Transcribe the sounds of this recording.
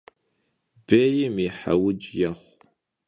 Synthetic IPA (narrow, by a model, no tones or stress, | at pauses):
beːjɪmiħa̰wʊd͡ʒjɐχʷ